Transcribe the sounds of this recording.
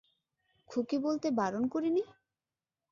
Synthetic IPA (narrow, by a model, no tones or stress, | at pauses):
kʰukibolt̪ebaɾonkoɾini